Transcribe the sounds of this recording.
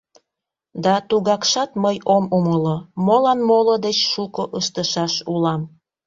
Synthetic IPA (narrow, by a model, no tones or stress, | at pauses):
d̪ɑt̪uɣɑkʃɑt̪məjomuməlomolɑnmolod̪et͡ɕʃukoʔəʃt̪əʃɑʃulɑm